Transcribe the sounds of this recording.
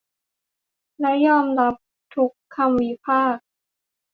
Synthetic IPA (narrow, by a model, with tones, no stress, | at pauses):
lɛ˦˥jɔː˥˩mɾa˦˥p̚ | t̪ʰu˦˥kʰːa˧mwi˧˥pʰaː˥˩k̚